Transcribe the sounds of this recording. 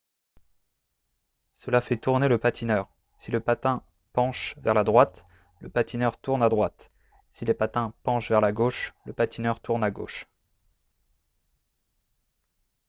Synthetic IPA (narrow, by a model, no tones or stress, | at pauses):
səlafɛt̪uʁneləpat̪ʰinœʁ | siləpat̪ɛ̃ | pɑ̃ʃvɛʁlad̪ʁwat̪ | ləpat̪inœʁt̪uʁnad̪ʁwat̪ | silepat̪ɛ̃pɑ̃ʃvɛʁlaɡoʃləpat̪inœʁt̪uʁnaɡo̰ʃ